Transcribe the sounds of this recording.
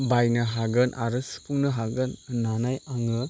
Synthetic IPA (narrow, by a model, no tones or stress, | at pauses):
bajnɯɦaɡɯnʔaɾɯsɯ̥pʰuŋnɯɦaɡɯnnːanajaŋɯ